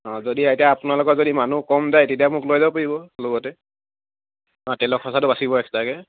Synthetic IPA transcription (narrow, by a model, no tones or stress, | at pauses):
ɔ̃zodiatijaapʊnalʊkɔtzodimanukɔmzajtetijamʊklojzabpoɹibɔlɔɡɔtɛ | ɔ̃tɛlɔkʰɔsatʊbasibɔɛktakɛ